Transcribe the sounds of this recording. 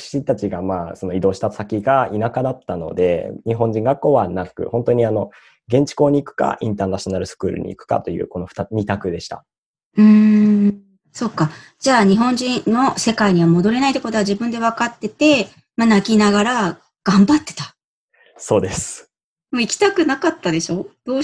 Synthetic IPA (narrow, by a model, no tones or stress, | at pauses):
ɕĩnt̪at͡ɕiɡamaːso̞no̞id̪o̞ːɕi̥t̪asakʲiɡainakad̪at̪ːano̞̰d̪e̞̰ɲiɦõ̞ɲ̟d͡ʑĩŋɡakːo̞ːβanakɯ̰hõ̞nt̪o̞ɲ̟iano̞ | ɡẽ̞ɲ̟t͡ɕi̥ko̞ːɲ̟iːkɯ̟̥ka̰ʔḭ̃nt̪aːnaɕionaɾɯ̟sɨ̥kɯ̟ːɾɯ̟̰ɲ̟ḭḭkɯ̟̥ka̰t̪o̞jɯ̟̰ːko̞no̞̥t̪aɲʲit̪akɯ̟d̪e̞ɕi̥t̪a̰ | ɯ̟̃ | so̞kːa | d͡ʑaːɲ̟iɦõ̞ɲ̟d͡ʑĩnːo̞se̞kaiɲ̟iβ̞amo̞d̪o̞ɾe̞nait̪o̞ko̞t̪oad͡ʑibɯ̟̃nd̪e̞β̞akat̪ːe̞t̪e̞ | manakʲinaɡaɾa | ɡ̥ãmbat̪ːe̞̥t̪ḁ | so̞ːd̪e̞sɨ̥ | moikʲi̥t̪akɯ̟nakat̪ːad̪e̞ɕo̞ːd̪̥o̞ː